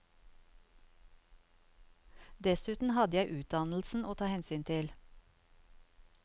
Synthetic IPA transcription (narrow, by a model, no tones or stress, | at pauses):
d̪ɛsʉːt̪n̩hɑd̪əjæɪʔʉːt̪̚d̪ɑnl̩sn̩ʔoːt̪ʰɑːhɛnsyːnt̪ʰɪl